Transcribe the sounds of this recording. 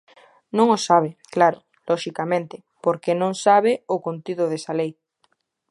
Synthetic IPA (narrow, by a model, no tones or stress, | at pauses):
nõŋosaβ̞eklaɾo | loʃikamẽnt̪e | poɾkenõŋsaβ̞eokont̪iðoð̞esalej